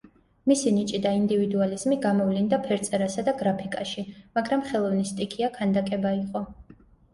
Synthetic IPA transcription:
misinit͡ʃʼid̪aind̪ivid̪ualizmiɡamɔvlind̪apʰɛɾt̪sʼɛɾasad̪aɡɾapʰikʼaʃimaɡɾamχɛlˠɔvnist̪ʼikʰiakʰand̪akʼɛbaiqʼɔ

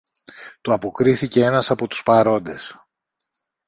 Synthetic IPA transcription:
t̪uɐpo̞kɾiθice̞e̞nɐsɐpo̞t̪u̥spɐɾo̞nd̪e̞s

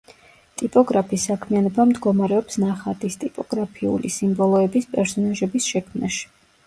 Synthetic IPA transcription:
t̪ʼipʼɔɡɾapʰisːakʰmianɔbamd̪ɡɔmaɾɛɔpsnaχat̪ʼist̪ʼipʼɔɡ̥ɾapʰiṵlisimbɔlˠɔɛbispʼɛɾsɔnaʒɛbisʃɛkʰmna̰ʃi̥

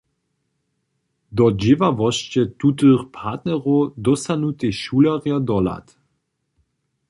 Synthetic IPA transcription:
d̪ɔd͡ʑɪvavɔʃt͡ʃɛt̪ut̪əχpʰaːtnɛʁowd̪ɔsanut̪eʃulaʁjad̪ɔla̰t̪

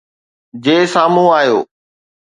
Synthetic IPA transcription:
d͡ʑeːsaːmũaːjoː

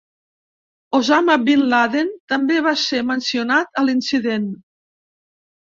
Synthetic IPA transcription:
ozaməbinlaðent̪əmbeβasemənsionat̪əlinsiðen

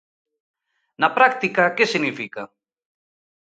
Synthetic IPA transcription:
napɾakt̪ikakesiɣnifika

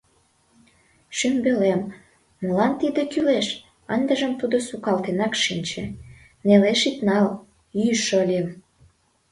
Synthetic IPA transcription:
ʃymbelemː | əlɑnt̪id̪ekyleʃ | ənd̪əʒəmt̪ud̪osukɑlt̪enɑkʃinʲt͡ɕĕ | neleʃit̪nɑl | yjʃəlʲiəm

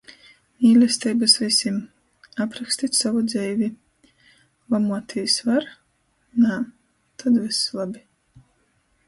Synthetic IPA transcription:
mʲiːlʲɛst̪ɛjbasvʲisʲim | apɾaksʲt̪it̪ʲsavud̪zɛjvʲi | lˠamuɔt̪ʰiːsvaɾ | na | t̪ʰad̪vislˠabʲi

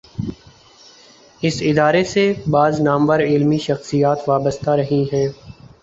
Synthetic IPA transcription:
ɪsɪd̪aːɾesebaːznaːmʋəɾɪlmiʃɐxsijaːt̪ʋaːbəst̪aɾɐɦiɦɛː

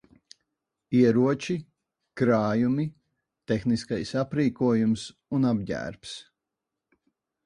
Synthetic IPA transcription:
iɛɾuɔt͡ʃi | kɾaːjumi | t̪exniskajsapɾiːkuɔjumsunabɟæ̰ːɾps

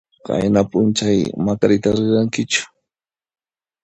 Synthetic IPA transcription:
ka̰jnapʊnt͡ʃajmakaɾɪt̪aɾɪɾaŋkɪt͡ʃʊ̥

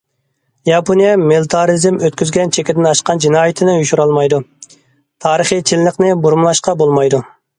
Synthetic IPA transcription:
jɑpʰonijɛmɪlˠɨt̪ʰɑɾizɪmøt̪kʲyzɡʲɛnt͡ʃʰekʲɪd̪ɪnɑʃqɑnd͡ʒinɑːjit̪ʰɪnɪuʃuɾɑlˠmɑjd̪u | t̪ʰɑːɾəχit͡ʃʰɪllːɪqnɪbuɾmlˠɑʃqɑbolˠmɑjd̪u

